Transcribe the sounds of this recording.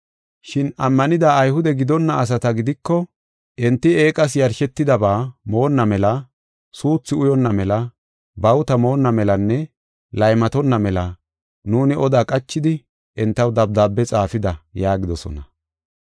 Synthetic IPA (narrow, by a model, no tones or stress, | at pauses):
ʃɪnɐmːɐnɪd̪aːjhʊd̪ɛɡɪd̪ɔnːɐːs̬ɐt̪ɐɡɪd̪ɪkːɔ | ʔɪnt̪ːɪe̞ːkʼɐs̬jɐɾʃɛt̪ːɪd̪ɐbaːmo̞ːnːɐmɛlɐ | suːt͡sːɪʊjɔnːɐmɛlɐ | bɐwt̪ɐmo̞ːnːɐmɛlɐnːɛ | lɐjmɐt̪ɔnːɐmɛlɐ | nuːnɪʔɔd̪aːkʼɐt͡ʃːɪd̪ɪ | ʔɪnt̪ːɐwd̪ɐb̚d̪aːbːɛt͡sʼaːfɪd̪ɐjaːɡɪd̪ɔsɔ̰nɐ